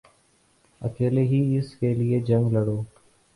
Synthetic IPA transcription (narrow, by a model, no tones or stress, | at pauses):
ə̰keːleːɦiːɪskeːlɪeːd͡ʒə̃ŋɡləɽoː